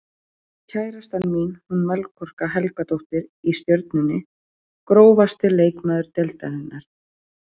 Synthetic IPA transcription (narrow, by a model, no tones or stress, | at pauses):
cʰaːjɾast̪anminhunmɛlkʰɔr̥kaɦɛlkat̪owht̪ɪɾist̪jœɾt̪nʏnːɪ | kɾoːwvast̪ɪleːjkmaːðʏɾt̪ɛlt̪anɪnːaɾ̥